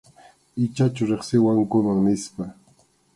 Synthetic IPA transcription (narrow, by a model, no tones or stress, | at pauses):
ɪt͡ʃat͡ʃʊɾeχsɪwaŋkʊmaŋnɪspa